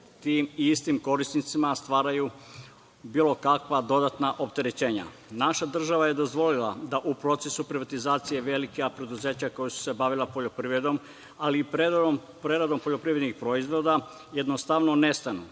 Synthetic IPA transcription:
t̪iːmiist̪imko̞ɾisnit̪simast̪ʋaːɾaju | biːlˠo̞kakʋad̪o̞d̪at̪naʔo̞pt̪e̞ɾet͡ɕe̞ːɲa̰ | naʃad̪r̩ʒaʋaje̞d̪o̞zʋo̞lilˠad̪aʔupɾo̞t̪se̞supɾiʋat̪izaːt̪sije̞ʋe̞likeapɾe̞d̪uze̞ːt͡ɕako̞jusu̥se̞baʋilapo̞ʎo̞pɾiʋɾe̞d̪o̞m | aliːpe | pɾeɾad̪o̞mpoʎo̞pɾiːʋɾed̪nixpɾo̞izʋo̞d̪a | jed̪nost̪aʋno̞ne̞st̪anṵ

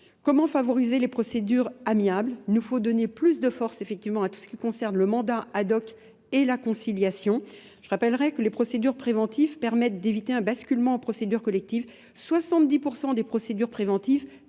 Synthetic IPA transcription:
kɔmɑ̃favɔʁizelepχɔsed̪yʁamiablnufod̪ɔneplys̬d̪əfɔʁsefɛk̚t̪ivmɑ̃at̪u̥sə̥kʲikɔ̃sɛʁnləmɑ̃d̪aad̪ɔk | elakɔ̃siljasjɔ̃ | ʒ̥əʁapɛlʁɛkəlepχɔsed̪yʁpχevɑ̃t̪ʰivpɛʁmɛt̪̚d̪evit̪eɛ̃baskʲylmɑ̃ːpχɔsed̪yʁkɔlɛk̚t̪iv | swasɑ̃t̪̚d̪ipuʁsɑ̃d̪epχɔsed̪yʁpχevɑ̃t̪iv

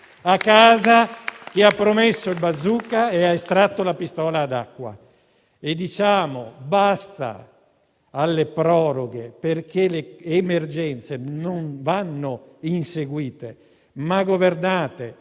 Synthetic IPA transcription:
akːaːzak̟iapːɾomesːoilbad̪zːuːkaeaest̪ɾat̪ːolapist̪ɔːlaːd̪akːwa̰ | ed̪ːit͡ʃaːmobast̪a̰ | alːepɾɔːɾoɡeperkeleːmerd͡ʒɛnt̪senonvanːoinseɡwiːt̪e | maɡovernaːt̪e

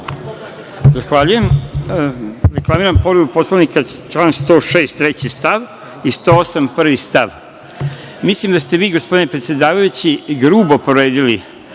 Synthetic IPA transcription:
zaxʋaːʎuje̞m | ɾeklˠamiɾampo̞ɾibupo̞slˠaʋnikat͡ʃlˠaːnst̪o̞ːʃeːst̪ɾet͡ɕist̪aʋ | ist̪oːosampr̩ʋist̪aʋ | mislimd̪ast̪e̞ʋiːɡospo̞d̪inepɾet̪sjed̪aːʋajut͡ɕiɡɾuːbo̞poɾe̞ːd̪ili

